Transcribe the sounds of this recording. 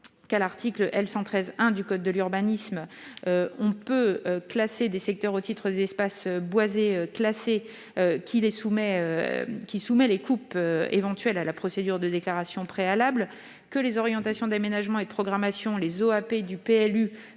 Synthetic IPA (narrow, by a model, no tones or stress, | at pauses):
kalaʁt̪ʰiklʔɛlsɑ̃t̪χɛzɛ̃d̪ykɔd̪̚ːəlyʁbanismøɔ̃pøøklased̪esɛk̚t̪œʁot̪it̪χəd̪ezɛspasøbwazeøklase | økʲʰilesumɛøkʲisumɛlekupøḛvɑ̃t̪ɥɛlalapχɔsed̪yʁd̪əd̪eklaʁasjɔ̃pχealabl | kəlezɔʁjɑ̃t̪asjɔ̃d̪amenaʒmɑ̃ed̪əpχɔɡʁamasjɔ̃lezoaped̪ypeɛly